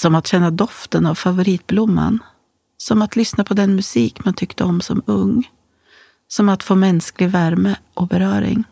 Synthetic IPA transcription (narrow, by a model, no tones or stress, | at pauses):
sɔmat̪ɕɛnːad̪ɔft̪ənavfavʊɾiːt̪̚blʊmːa̰n | sɔmat̪lʏsnapʰɔd̪ɛnmɵsiːkmant̪ʰʏkt̪əɔmsɔ̰mɵŋː | sɔmat̪foːmɛnsklɪɡvæɾməʔɔbɛɾœːɾɪ̰ŋ